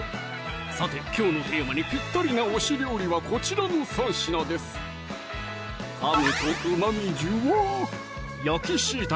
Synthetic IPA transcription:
sat̪e̞kʲo̞ːno̞t̪emaɲ̟ipʲit̪ːoɾʲinaoɕiɾʲjo̞ːɾʲiβako̞t͡ɕiɾano̞sãɰ̃ɕinad̪e̞sɨ̥ | amet̪oɯ̟mamʲid͡ʑɨβa | jakʲiɕiːt̪a

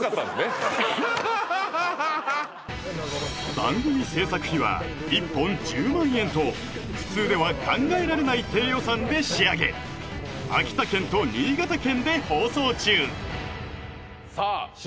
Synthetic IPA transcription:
kat̪ːasne | bã̰ŋɡo̞mʲise̞ːsakɯ̟̥çiβa̰ | ipːõ̞ɲd͡ʑɨːmãɰ̃ẽ̞nt̪o̞ | ɸɯ̟̥t͡sɨːd̪e̞βakʰãŋɡae̞ɾaɾe̞nait̪e̞ːjo̞sãnd̪e̞ɕiaɡe̞̰ | a̰kʲi̥t̪akẽ̞nt̪o̞ɲʲiːɡat̪akẽ̞nd̪e̞ho̞ːso̞ːt͡ɕɨː | sa

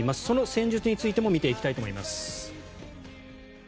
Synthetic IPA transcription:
imasɨ̥so̞no̞sẽ̞ɲ̟d͡ʑɨt͡sɨɲ̟it͡sɨit̪e̞mo̞mʲit̪e̞ikʲi̥t̪ait̪omo̞imasɨ̥

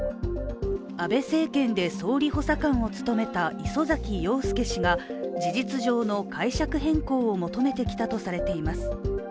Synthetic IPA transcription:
abe̞se̞ːkẽ̞nd̪e̞so̞ːɾʲiho̞sakãɰ̃o̞t͡sɨ̥t̪o̞me̞t̪aʔiso̞zakʲijo̞ːsɨ̥ke̞ɕiŋad͡ʑiʑit͡sɨʑo̞ːno̞kʰaiɕakɯ̟ɦẽ̞ŋko̞ːomo̞t̪o̞me̞t̪e̞kʲi̥t̪at̪o̞saɾe̞t̪e̞imasɨ̥

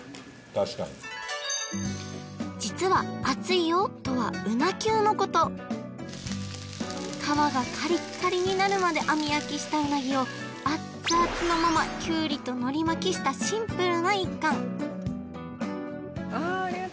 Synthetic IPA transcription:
t̪aɕi̥ka̰ɲi | d͡ʑit͡sɨβaːt͡sɨijot̪o̞βaɯ̟nakʲɨːno̞ko̞t̪o̞ | kʰaβaɡakʰaɾʲikaɾʲiɲ̟inaɾɯ̟mad̪e̞ʔamʲijakʲiɕi̥t̪aɯ̟naɡʲio̞ | a | sɨat͡sɨno̞mamakʲɯːɾʲit̪o̞no̞ɾʲimakʲiɕi̥t̪aɕĩmpɯ̟ɾɯ̟naikːãŋ

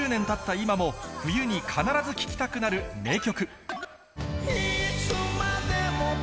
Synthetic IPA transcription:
ɨːnẽ̞nt̪at̪ːaimamo̞ɸɯ̟jɯ̟ɲ̟ikʰanaɾazɨkʲi̥kʲi̥t̪akɯ̟naɾɯ̟me̞ːkʲo̞kɯ̟ | eɕomad̪emo

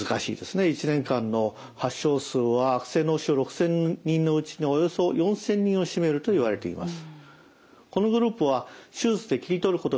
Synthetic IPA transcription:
ɨkaɕḭːd̪e̞sɨne̞it͡ɕinẽ̞ŋkãnːo̞ | haɕːo̞ːsɨːβaːkɯ̟̥sẽ̞nːoːɕioɾo̞kɯ̟̥sẽ̞ɲɲːĩnnːo̞ɯ̟t͡ɕinoojo̞so̞jõ̞ɰ̃sẽ̞ɲ̟ːĩo̞ɕime̞ɾɯ̟t̪o̞iβaɾe̞t̪e̞ḭma̰sɨ̥ | ko̞no̞ɡɯ̟ɾɯ̟ːpɯβaɕɨːzɨd̪e̞kʲiɾʲit̪o̞ɾɯ̟ko̞t̪o

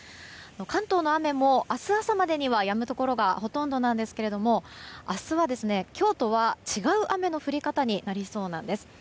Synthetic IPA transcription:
ano̞kãnt̪o̞ːno̞ame̞mo̞ʔasɨasamad̪e̞ɲ̟iβajamɯ̟t̪o̞ko̞ɾo̞ɡaho̞t̪õ̞nd̪o̞nãnd̪e̞sɨ̥ke̞ɾe̞d̪o̞mo̞asɨβad̪e̞sɨne̞kʲo̞ːt̪o̞β̞at͡ɕiɡaɯ̟ʔame̞no̞ɸɯ̟ɾʲikat̪aɲ̟inaɾʲiso̞ːnãnd̪e̞sɨ̥

